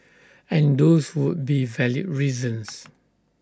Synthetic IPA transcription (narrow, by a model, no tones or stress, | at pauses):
ɛ̃ndoswud̚bivɛlḭdɹizə̃ns